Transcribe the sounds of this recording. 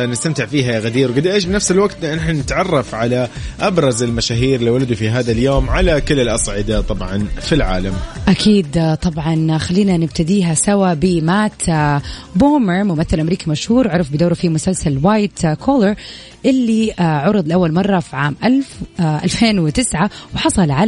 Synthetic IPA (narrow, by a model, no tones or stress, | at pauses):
nɪst̪amt̪ɪʕfiːɦajaɣad̪iːɾwɡɪd̪ʔeːʃ̬bɪnafsɪlwaɡt̪nħnɪt̪ʕɑrˤːɑfʕalaʔabɾˤɑzɪlmaʃaːɦiːɾliwalad̪ufiɦaːðaljoːmʕalakɪlːɪlʔɑsˤʕɪd̪at̪ˤɑbʕɑnfilʕa̰ːlamʔakʰiːd̪t̪ˤɑbʕɑnxalːiːnanɪbt̪ad̪iːɦasawabɪmaːt̪ | boːmɪɾmʊmaθːɪlʔamɾiːkimaʃhuːɾʕʊɾˤfbɪd̪oːɾufimʊsalsalwaːjt̪kʰoːləɾ | ʔɪlːiʕʊɾɨðˤlʔawːalmɑrˤːɑfiʕaːmʔalfʔalfeːnwɪt̪ɪsʕawɪħɑsˤɑlʕa